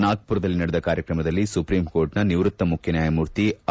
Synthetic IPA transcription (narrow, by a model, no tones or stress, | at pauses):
naːɡ̚puɾɐd̪ɐlːinɐɽɛd̪ɐkaːɾjɐkɾɐmɐd̪ɐlːisupɾiːmkoːɾʈnɐniʋɾut̪ːɐmukʰjɐnjaːjɐmuːɾt̪i